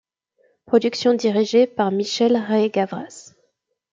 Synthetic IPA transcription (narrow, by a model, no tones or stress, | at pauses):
pχɔd̪yksjɔ̃d̪iʁiʒepaʁmiʃɛlʁeɡavʁas